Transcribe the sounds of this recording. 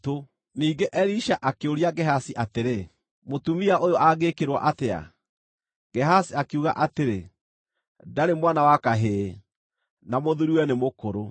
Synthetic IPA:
to | niːɡeʔɛɾiʃaʔakeoɾiaɡɛɦasiʔateɾe | motumiaʔojoʔaɣekeɾwɔ̰ʔatea̰ | ɡ̥ɛɦasiakeuɣa̰ʔateɾe | daɾemwanawakaɦeː | namoðuɾiwɛnemokoɾo

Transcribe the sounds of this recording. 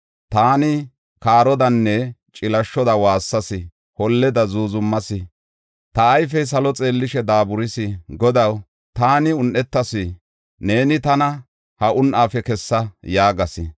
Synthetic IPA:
t̪aːnɪ | kaːɾɔd̪ɐnːɛt͡ʃʼɪlɐʃːɔd̪ɐwaːsːɐsɪ | hɔlːɛd̪ɐzuːzʊmːɐsɪ | t̪ɐːjfɛjs̬ɐlɔt͡sʼe̞ːlːɪʃɛd̪aːbʊɾɪsɪɡɔd̪ɐw | t̪aːnɪʊnʔɛt̪ːɐsɪ | ne̞ːnɪt̪ɐnɐ | hɐʔʊnʔaːfɛkɛsːɐjaːɡɐsɪ̰

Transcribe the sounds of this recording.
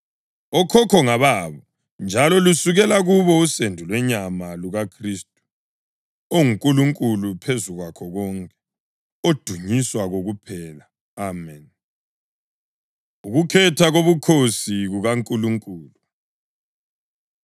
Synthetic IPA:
ɔkʰɔkʰɔŋaβaβɔ | nd͡ʒʱalɔlusuɣɛlaɣuβɔusendʱulwɛɲamaluɣakʰriːstʼu̥ | oŋuŋkʼuluŋkʼulupʰezuɣwakʰɔɣɔŋkʼɛ̥ | od̥ʱuɲiswaɣoɣupʰɛːla | amɛn | uɣukʰɛtʰaɣoβukʰosiɣuɣaŋkʼuluŋkʼuːlu

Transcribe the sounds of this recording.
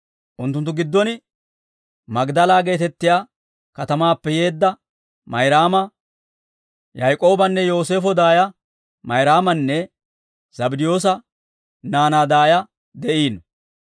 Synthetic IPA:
ʔʊnt̪ːʊnt̪̬ːʊɡɪd̪ːɔnɪ | mɐɡd̪ɐlaːɡe̞ːt̪ɛt̪ːɪjaː | kɐt̪ɐmaːpːɛje̞ːd̪ːɐ | mɐjɾaːmɐ | jajkʼo̞ːbɐnːɛjo̞ːse̞ːfɔd̪aːjɐ | mɐjɾaːmɐnːɛ | z̥ɐbɪd̪ɪjo̞ːs̬ɐ | naːnaːd̪aːjɐ | d̪ɛʔiːnɔ

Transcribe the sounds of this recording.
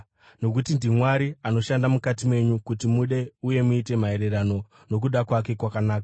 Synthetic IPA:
no̞k̬utindimwaɾiano̞ʃandamukatimwe̞ɲukutimuɗe̞uje̞muite̞mae̞ɾe̞ɾano̞ | no̞k̬uɗakwake̞kwakanaːka

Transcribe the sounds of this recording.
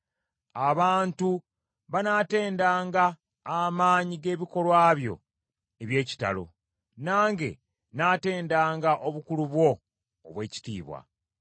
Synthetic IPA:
aβaːntu | βanaːte̞ːndaːŋɡaː | maːɲiɡe̞ːβiko̞lwaːβjo̞̰ | eβje̞ːci̥ta̰lo̞̰ | naːŋɡe̞̰ | naːte̞ːndaːŋɡaʔo̞βukuluβwo̞̰ː | βwe̞ːci̥tḭːβwa̰

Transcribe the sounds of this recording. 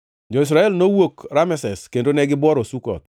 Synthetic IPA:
d͡ʒɔɪs̬ɾaɛlnowokɾamɛsɛskendonɛɡɪbwɔɾosukɔ̰t̪̚

